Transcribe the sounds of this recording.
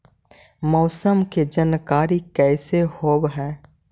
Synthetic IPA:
mɔːsəmked͡ʒənkaːɾikɛːsehoːbɦɛ̃ː

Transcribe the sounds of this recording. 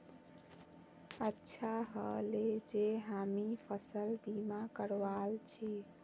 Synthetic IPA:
ətːʃʰaɦəled͡ʒeɦamipʰəsəlbimakəɾʋalt͡ʃʰi

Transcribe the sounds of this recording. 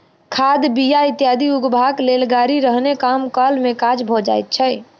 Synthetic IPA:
kʰad̪bijait̪jad̪ʱiuɡbʱaɡlelɡaɾiɾəɦnekamkəlmekad͡ʒbʱɔd͡ʒa̰jt̪̚t͡ʃʰɛ

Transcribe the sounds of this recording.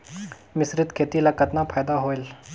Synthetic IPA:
misɾit̪kʰet̪ilakət̪napʰaːjd̪aɦoel

